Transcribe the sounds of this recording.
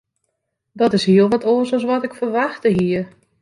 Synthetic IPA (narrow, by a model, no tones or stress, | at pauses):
dɔtɪshiəlˠʋɔtʰoːəsɔs̬ʋɔtɪkfərʋaxtəɦiər